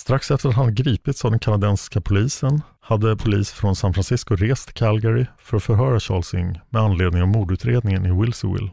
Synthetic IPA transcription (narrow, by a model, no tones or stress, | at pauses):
st̪ɾaksɛft̪əɾat̪hanɡɾiːpɪt̪savd̪ɛnkʰanad̪ɛnskapʰʊliːsən | had̪ːəpʰʊliːsfɾɔnsanfɾansɪskʊɾeːst̪ʰɪkʰɛlɡɛɾɪfœɾɔfœɾɦœːɾaɕɑːɭsʏ̰ŋmɛanleːd̪nɪŋavmuːd̪ʉ̟ːt̪ɾeːd̪nɪŋənɪwɪlsɪwɪ̰lː